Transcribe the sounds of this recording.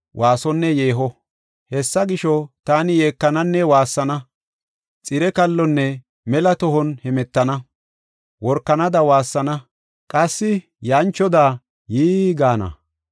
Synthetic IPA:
wʔaːsɔnːɛje̞ːɦɔ | hɛsːɐɡɪʃɔt̪aːnɪjeːkːɐnɐnːɛwaːsːɐnɐ | t͡sʼɪɾɛkɐlːɔnːɛ | mɛlɐt̪ɔɦɔnhɛmɛt̪ːɐnɐ | wɔɾkːɐnɐd̪ɐwaːsːɐnɐ | kʼɐsːɪ | jaːnt͡ʃːɔd̪aː | jiːɡaːnɐ̰

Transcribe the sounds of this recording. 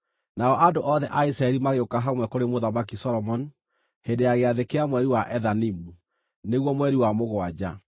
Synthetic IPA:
naɔʔandoʔɔðɛʔaisɾaɛɾimaɣeokaɦamwɛkoɾemoðamakisɔɾɔmɔn | hendejaɣeaðekeamwɛɾiwaʔɛðanimu | neɣwɔmwɛɾiwamoɣwad͡ʑa̰

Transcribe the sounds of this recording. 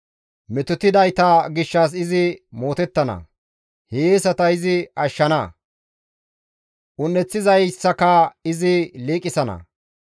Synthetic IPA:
mɛt̪ʊt̪ːɪd̪ɐjt̪ɐɡɪʃːɐs̬ɪzɪmoːt̪ɛt̪ːɐnɐ̰ | heːsɐt̪ɐɪzɪɐʃːɐnɐ | ʔʊnːɛt͡sːɪzɐjsːɐkɐɪzɪliːkʼːɪsɐnɐ̰

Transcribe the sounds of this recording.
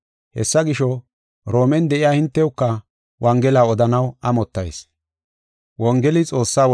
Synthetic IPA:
hɛ̰sːɐɡɪʃɔ | ɾo̞ːmɛnd̪ɛʔɪjaːhɪnt̪ːɛʊkːɐ | wɐŋɡɛlaːɔd̪ɐnɐwɐmɔt̪ːɐ̰js | wɔŋɡɛlɪt͡sʼo̞ːsːaːw

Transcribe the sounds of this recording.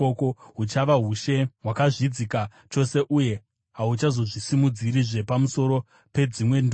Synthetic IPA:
okoɦut͡ʃaʋaɦuʃe̞ɦwakaʐid͡zika | t͡ʃo̞se̞ʔuje̞ | ɦaut͡ʃazo̞ʐisimud͡ziɾiʐe̞pamuso̞ɾo̞ | pe̞d͡zimwe̞ndo

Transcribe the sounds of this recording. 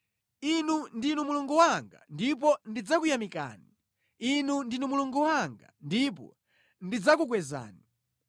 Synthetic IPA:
inundinumuluŋɡuwaŋɡa̰ndip̬ɔndid͡zakujamika̰ːni | inundinumuluŋɡuwaŋɡandip̬ɔ̰ | ndid͡zakukwɛza̰ːni

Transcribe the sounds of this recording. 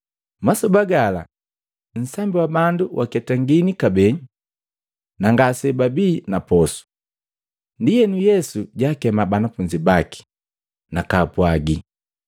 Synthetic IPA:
masɔbaɡala̰ | n̩sambiwabanduwʔa̰kɛtaŋɡinikabɛɲ | naŋɡaːsɛbabiːnapɔsu̥ | ndijɛnujɛsuɟaːkɛmabanafuɲd͡ʒibaki̥ | nakaːpwaɡi

